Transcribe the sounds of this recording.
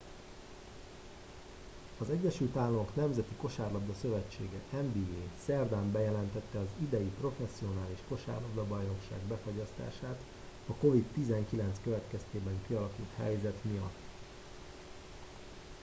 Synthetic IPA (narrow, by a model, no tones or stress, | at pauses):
ɒzɛɟːɛʃylt̪aːlːɒmo̞kn̪ɛmzɛt̪iko̞ʃaːrlɒbd̪ɒsø̞vɛt͡ʃːeːɡɛʔɛɱbiːeːsɛrd̪aːmbɛjɛlɛnt̪ɛt̪ːɛɒzid̪ɛjipro̞fɛsːio̞naːliʃko̞ʃa̰ːrlɒbd̪ɒbɒjno̞kʃa̰ːɡbɛfo̞ɟɒst̪a̰ːʃaːt̪ | ɒko̞vit̪ːizɛŋkilɛnt̪skøvɛt̪kɛst̪eːbɛŋkiɒlɒkult̪hɛ̰jzɛt̪mijɒ̰t̪ː